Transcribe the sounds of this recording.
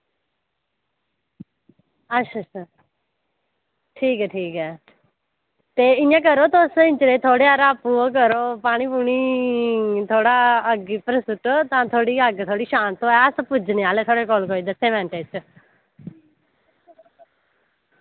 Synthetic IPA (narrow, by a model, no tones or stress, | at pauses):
əʃʰas | ʈʰiːkɛːʈʰiːkɛː | t̪eːɪnãːk̬əɾoːt̪oːsɪ̃nt͡ʃɾeːt̪ʰoːɽeːaɾaːpuːok̬əɾoːpaːñiːpuːɳiː | t̪ʰoːɽaːəɡipəɾsʊʈoːt̪ãːt̪ʰoːɽiːəɡt̪ʰoːɽiːʃãːnt̪oːɛəspʊd͡ʒneaːleːt̪ʰoːɽeːkoːlkoːiːd̪əsẽːʋɛ̃ːɳʈeːt͡ʃ